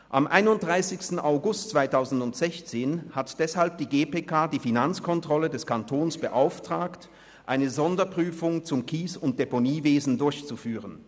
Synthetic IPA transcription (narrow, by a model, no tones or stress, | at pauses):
ʔamʔa̰ɪnʊnt̚d̥ʁaɪsɪçstn̩aʊɡʊstt͡sv̥aɪtʰaʊzn̩dʊntz̥ɛçt͡seːnhatd̥ɛshalp̚d̥iːɡeːpeːkʰaːdiːfinant͡skʰɔntʁ̥ɔlədɛskʰantʰoːnsb̥əʔaʊftʁ̥aːkt | ʔaɪnəzɔndɐpʁ̥yːfʊŋt͡sʊmkʰiːsʊnt̚d̥eponiːveːzn̩dʊɐçt͡sufyːʁən